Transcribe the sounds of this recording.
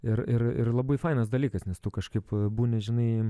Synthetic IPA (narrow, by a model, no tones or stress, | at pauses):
ɪɾɪrɪ̰rlˠɐbɐɪfɐɪnɐsd̪ɐlʲiːkɐsnʲɛst̪ʊkɐʃkɐɪpbuːnʲɛʒʲɪnɐɪ